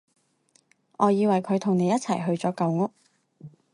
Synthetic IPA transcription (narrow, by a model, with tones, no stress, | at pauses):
ʔɔː˨˧jiː˨˧wɐ˨˩jkʰɵ˨˧ɥt̪ʰʊ˨˩ŋne˨˧jɐ˥t̚t͡sʰɐ˨˩jɦɵ˧ɥt͡sɔː˨˥kɐ˨˧wŋʊ˥k̚